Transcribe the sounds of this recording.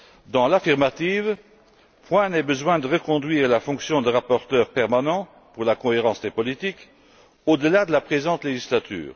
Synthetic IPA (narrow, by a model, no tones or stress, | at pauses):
d̪ɑ̃lafiʁmat̪iv | pʰwɛ̃nɛbəzwɛ̃d̪əʁəkɔ̃d̪ɥiːʁlafɔ̃ksjɔ̃d̪əʁapɔʁt̪œːʁpɛʁmanɑ̃ | puʁlakɔ̃eʁɑ̃sd̪epɔlit̪ik | od̪əlad̪əlapχezɑ̃t̪leʒislat̪y̰ːʁ